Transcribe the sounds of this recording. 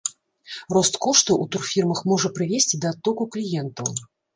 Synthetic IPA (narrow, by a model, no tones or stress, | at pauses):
rɔst̪kɔʂt̪ɐʔut̪urfʲirmɐxmɔʐɐpɾɨvʲesʲt͡sʲid̪ɐːt̪ːɔkuklʲijɛnt̪ɐw